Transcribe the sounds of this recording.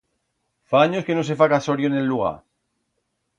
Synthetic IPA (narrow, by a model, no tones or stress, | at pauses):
faaɲoske̞nos̬e̞fakasoɾjone̞lːuɣ̞a̰ɾ